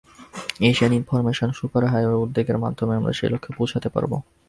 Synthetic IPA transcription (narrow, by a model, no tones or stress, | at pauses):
eʃianinfoɾmeʃonʃukaɾɦaeoud̪ːeɡeɾmad̪ʱːomeamɾa̰ʃḛlokʰːepud͡ʑʰat̪epa̰ɾbo̰